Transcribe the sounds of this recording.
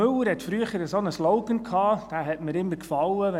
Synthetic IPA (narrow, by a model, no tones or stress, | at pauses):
ɵləɾhɛtfɾyəχəɾəsonəslɔʊɡənkʰɑːd̥æːɦɛtməɾɪmːəɾkfɑləʋɛ